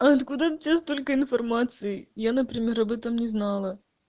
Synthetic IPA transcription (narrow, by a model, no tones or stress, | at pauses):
ɐɐt̪kud̪ɐt͡ɕʲːast̪olʲkəinfɐrmat̪sɨjɪjanɐpɾʲɪmʲeɾɐbɛt̪əmnʲɪznɑlˠɐ